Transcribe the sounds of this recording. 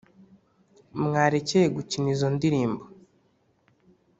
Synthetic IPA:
mŋaːɾecejeɡucinizo̞ndiɾiːmbo

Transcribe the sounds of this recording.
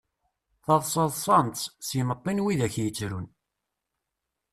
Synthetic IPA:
θɑðˤsˤɑðˤsˤɑnt̪ssjəmət̪ˤːinwiðæçjət͡sːɾun

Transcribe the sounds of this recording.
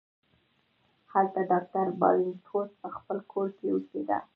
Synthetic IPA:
halt̪aɖɑk̚ʈaɾbɑ̰wɪnt̪ʰot̪̚pəxpəlkʰoɾkewəked̪a̰

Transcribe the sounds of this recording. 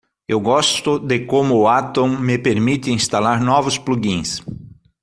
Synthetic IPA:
ewɡɔst̪ʊd̪ekomʊːat̪õŋmepeɾmit̪ɪĩŋst̪alaɾnɔvʊspluɡĩs

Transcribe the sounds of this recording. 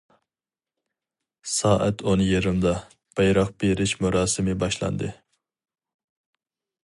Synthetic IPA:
sɑːʔæt̪ʰonjiɾɪmd̪ɑ | b̥ɑjɾɑq̚beɾɪʃmuɾɑːsɨmɪbɑʃlˠɑ̰nd̪ɨ

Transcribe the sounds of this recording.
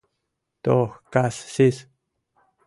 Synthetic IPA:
t̪oxkasːis

